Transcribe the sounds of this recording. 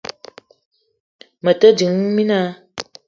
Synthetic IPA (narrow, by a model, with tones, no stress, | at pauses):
mə˨tə˦d͡ʒi˨˦ŋmi˦na˦